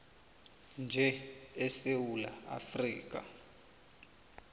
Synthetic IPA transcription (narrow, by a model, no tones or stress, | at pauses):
nd͡ʒʱɛɛsewulaa̰friːk̬ʼa̰